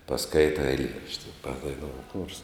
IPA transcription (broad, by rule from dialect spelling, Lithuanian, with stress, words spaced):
pɐˈskɐɪtɐ ɛɪˈlʲiɛrɐʃʲtʲɪ pɐdɐɪˈnoːʊ xoːrs